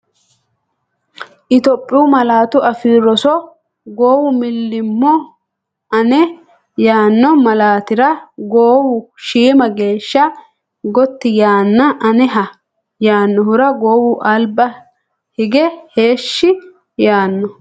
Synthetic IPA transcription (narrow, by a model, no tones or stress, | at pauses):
ʔɪt̪ɔpʼːɪuːmɐlaːt̪ʊʔɐfiːɾɔsɔ | ɡoːwʊmɪlːɪmːɔ | ɐnɛ | jaːnːɔmɐlaːt̪ɪɾɐɡoːwʊʃiːmɐɡe̞ːʃːɐ | ɡɔt̪ːɪjaːnːɐʔɐnɛɦɐ | jaːnːɔhʊɾɐɡoːwʊʔɐlbɐ | hɪɡɛhe̞ːʃːɪ | jaːnːɔ